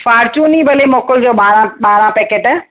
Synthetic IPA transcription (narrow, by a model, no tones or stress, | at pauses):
faːɾt͡ɕũnĩbɐlemɔːkəld͡ʑoːbaːɾãbaːɾãpeːkeːʈɛː